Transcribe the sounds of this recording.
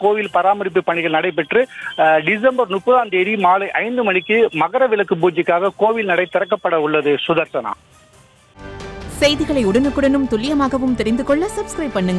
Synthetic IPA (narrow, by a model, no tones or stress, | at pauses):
koːʋɪlpɐɾaːmɐɾɪp̬ːɯpːɐɳɪɣɐɭnɐɽɐɪp̬ːɛʈrɯɖɪs̬ɐmbɐɾnʊpːɐðaːnd̪eːðimaːlɐɪʔɐɪnd̪ɯmɐɳɪkːɯmɐɣɐɾɐʋɪlɐkːɯpuːɲd͡ʒɪkːaːɣɐkoːʋɪlnɐɽɐɪt̪ːɪɾɐkːɐpːɐɽɐʊɭːɐðɯsʊðɐɾsɐna̰ː | sɛjðɪɣɐɭɐɪʊɽɐnɯkːɯɽɐnɯmt̪ʊlɪjɐmaːɣɐʋɯmt̪ɛɾɪnd̪ɯkɔɭːɐsɐbskɾɐɪp̚pːɐɳːɯŋɡɐ